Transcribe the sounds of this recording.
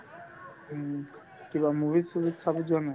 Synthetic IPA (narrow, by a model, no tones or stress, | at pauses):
kibamubʱisubid̪kʰabed͡ʑonːo